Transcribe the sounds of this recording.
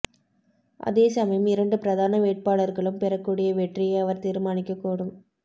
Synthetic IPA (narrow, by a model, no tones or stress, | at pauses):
ʔɐ̰ðeːsɐmɐjɯmɪɾɐɳɖɯpɪɾɐðaːnɐʋeːʈ̚paːɭɐɾɣɐɭɯmpɛɾɐkːuːɽɪjɐʋɛʈrɪjɐɪɐʋɐɾt̪iːɾmaːnɪkːɐkːuːɽɯm